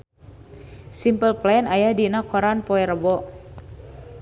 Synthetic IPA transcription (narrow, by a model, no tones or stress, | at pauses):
simpəlplanajahdinakhɔɾanpɔɛɾəbɔ